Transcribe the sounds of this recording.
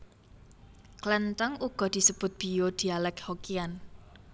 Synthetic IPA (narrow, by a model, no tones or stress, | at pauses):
klɛnt̪əŋuɡ̥ɔ̤d̪̥i̤səb̥ʊ̤t̪̚b̥i̤jod̪̥i̤alɛkhokian